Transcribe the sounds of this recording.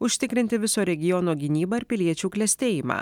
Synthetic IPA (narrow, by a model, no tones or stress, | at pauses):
ʊʃʲt̪ʲɪkɾʲɪnʲt̪ʲɪʋʲɪsoːɾʲɛɡʲɪjɔnoːɡʲɪnʲiːbɐɪɾpʲɪlʲiɛt͡ʃʲuːklʲɛsʲt̪ʲeːjɪmɑ̰ː